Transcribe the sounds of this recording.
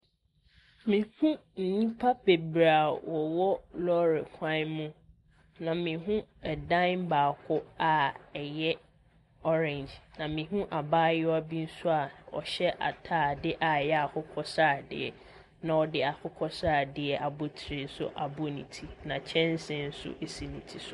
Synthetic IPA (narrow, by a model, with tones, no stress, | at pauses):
mĩ˨hũ˦n̩˨nĩ˦pʰa˦be˨bɾa˨wɔ˨wɔ˦lɔ˦ɾḛ˨kʷʰã˦mũ˦ | nã˨mĩ˨ɦũ˦ɛ˨dã˦m̩˦baː˨kʰʊ˦a˨ɛ˨jɛ˦ | ɔ˦ɾɛ̃˨nd͡ʒnã˨mĩ˨ɦũ˦ʔa˨baː˦jɪ˦ɔ˦a˦˨bi˦n̩˦sʊ˦a˨ɔ̰˨ɕɛ˦ʔa̰˨tʰaː˦˨dɪ˦ʔa˨jɛ˦a˨kʰʊ˦kʰɔ˦saː˦˨dɪ̰˨ɛ˨ | nã˨ɔ˨dɪ˦a˨kʰʊ˦kʰɔ˦sa˦˨dɪ˨ɛ˨ʔa˨bʊ˦tʰɪ˨ɾɪ˨˦sʊ̰˦ʔa˨bʊ˦nḭ̃˨tʰi˦nã˨t͡ɕʰɛ̃˦n˦sɪ̃˦n̩˦sʊ̰˦ʔe˨si˨nĩ˨tʰi˨sʊ˦˨